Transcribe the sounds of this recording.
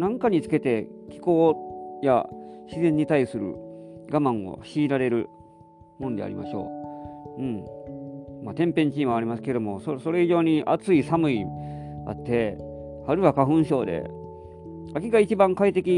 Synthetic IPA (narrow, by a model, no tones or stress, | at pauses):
nãŋkaɲ̟it͡sɨ̥ke̞t̪e̞kʲi̥ko̞ːja̰ɕizẽ̞ɲ̟ːit̪aisɨɾɯ̰ɡamãɰ̃o̞̰ɕiːɾaɾe̞ɾɯ̟ | mõ̞nd̪e̞a̰ɾimaɕo̞̰ː | ɯ̟̃ɴ | mat̪ẽ̞mpẽ̞ɲ̟t͡ɕĩːɰ̃aːɾʲimasɨ̥ke̞d̪o̞mo̞soso̞ɾe̞iʑo̞ːɲ̟iʔa̰t͡sɨisamɯ̟ia̰t̪ːe̞ | aɾɯ̟βakaɸɯ̟̃ɰ̃ɕo̞ːd̪e̞̰ | akʲiɡait͡ɕibãŋkait̪e̞kʲi